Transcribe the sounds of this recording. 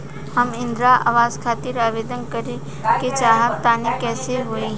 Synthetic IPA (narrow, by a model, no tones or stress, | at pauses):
hɐmɪ̃nd̪ɾaʔa̰ːʋaːzkʰaːt̪ɪɾaːʋeːd̪ənkəɾe | ket͡ʃaːɦab̚t̪aːnekɛːseɦoiɦ